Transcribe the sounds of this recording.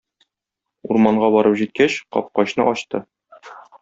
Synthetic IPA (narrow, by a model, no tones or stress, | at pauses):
uɾmɑɴɢɑbɒɾɤpʑit̪̚kæɕqɒ̰p̚qɑɕnɤ̰ʔɒɕt̪ɤ